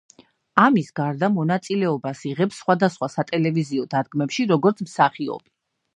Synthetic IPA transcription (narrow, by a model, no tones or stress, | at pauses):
amisɡaɾd̪amɔnat̪sʼilɛɔbasiʁɛpsːχwad̪asχwasat̪ʼɛlɛviziɔd̪ad̪̚ɡmɛpʃiɾɔɡɔɾt̪sʰmsaχiɔ̰bi